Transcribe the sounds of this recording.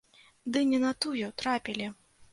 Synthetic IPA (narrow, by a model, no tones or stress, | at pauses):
d̪ɨnʲɛnɐt̪ujut̪ɾapʲilʲi